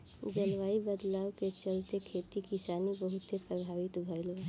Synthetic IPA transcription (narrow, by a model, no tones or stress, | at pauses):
d͡ʒəlʋaːibəd̪laːwket͡ʃəlt̪ekʰeːt̪ikisaːnibəɦut̪ːepɾəbʱaːʋit̪bʱəjl